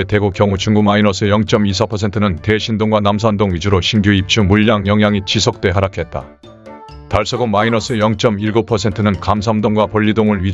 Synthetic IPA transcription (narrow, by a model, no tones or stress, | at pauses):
ete̞ɡokjʌŋut͡ɕuŋɡumainʌs͈ʰejʌŋt͡ɕ͈ʌmisʰʌpʰʌsʰe̞ntʰɯnɯnte̞ɕʰindoŋɡwanamsʰandoŋɥid͡ʑuɾoɕʰinɡjoip̚t͡ɕʰumuʎːaŋjʌŋɦjaŋit͡ɕisʰok̚t͈we̞ɦaɾakʰe̞t̚t͈a̰ | taɭs͈ʌɡomainʌs͈ʰɯejʌŋt͡ɕ͈ʌmiɭɡopʰʌsʰe̞ntʰɯnɯnkams̬ʰamdoŋɡwapʌʎːidoŋɯɭɥi